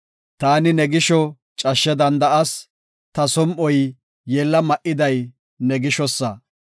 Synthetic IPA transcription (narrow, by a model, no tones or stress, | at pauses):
t̪aːnɪnɛɡɪʃɔ | t͡ʃʼɐʃːɛd̪ɐnd̪ɐʔɐs | t̪ɐsɔmʔɔj | jeːlːɐmɐʔɪd̪ɐj | nɛɡɪʃɔsːɐ